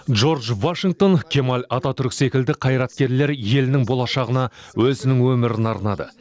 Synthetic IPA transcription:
ʒo̞ɾʒvaʃiŋɡ̚t̪o̞nkʲʰe̞malʲɑt̪ɑt̪ʰʏɾkʲse̞kʲɪld̪ɪqʰɑjɾɑt̪kʲe̞ɾle̞ɾje̞lɪnɪŋbo̞lˠɑʃɑʁənɑwɵzɪnɪŋwɵmɪɾɪnɑɾnɑd̪ə̰

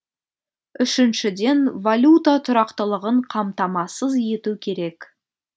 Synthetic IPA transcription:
ʏʃɪnʃɪd̪e̞nvalʲut̪at̪ʰʊɾɑqt̪əlˠəʁəɴqʰɑmt̪ɑmɑsəzje̞t̪ukʲʰe̞ɾe̞k

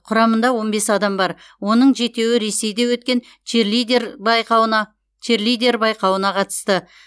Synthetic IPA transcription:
qʰʊɾɑmənd̪ɑwo̞nbe̞sɑd̪ɑmbɑɾ | wo̞nəɴʒe̞t̪e̞wɪɾe̞se̞jd̪e̞wɵt̪̚kʲe̞n | t̪iɾbjqɑw̪ɑ | t̪ʰerlijd̪ʲe̞ɾbɑjqɑwənɑqʰɑt̪ə̥st̪ə

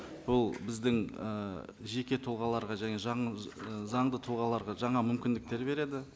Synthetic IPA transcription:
b̥ʊlˠbɪzd̪ɪŋəʒe̞kʲe̞t̪ʰʊlˠʁɑlˠɑɾʁɑʒæŋe̞ʒɑ | zɑɴd̪ət̪ʰʊlˠʁɑlˠɑɾʁɑʒɑɴɑmʏmkʲɪnd̪ɪk̚t̪e̞ɾbe̞ɾe̞d̪ɪ

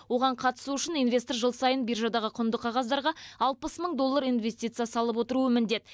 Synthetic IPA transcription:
wo̞ʁɑɴqʰɑt̪ə̥suʏʃɪninve̞st̪orʒəlˠsɑjənbijrʒɑd̪ɑʁəqʰʊnd̪əqʰɑʁɑzd̪ɑɾʁɑɑlˠpəsməɴd̪o̞lˠːɑɾijnve̞st̪ʲijt̪sɨjasɑlˠəpwo̞t̪əɾuəmɪnd̪e̞t̪ɪ

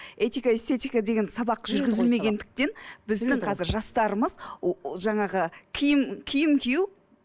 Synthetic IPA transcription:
e̞t̪ikaest̪e̞t̪ijkad̪e̞ɡʲe̞nsɑbɑq̚ʒʏɾɡʲɪzɪlme̞ɡʲe̞nd̪ɪk̚t̪e̞nbɪzd̪ɪɴqʰɑzɪɾʒɑst̪ɑɾəməzʒɑɴɑʁəkʲʰijɪmkʲʰijɪmkʲʰiju

